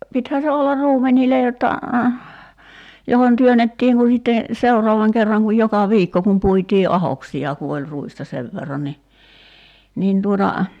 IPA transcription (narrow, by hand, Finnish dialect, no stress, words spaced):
pithæːn̞ se olːɑr ruːmenʲiˑle jotːɑ johon tyønetːiːŋ ku sitːe seurɔɑʋɑŋ kerːɑŋ kuj jokɑ ʋiːkːo kum puitiː ʔɑhoksiɑ ku olʲ ruistɑ seʋ ʋerːɑn ni nin tuotɑ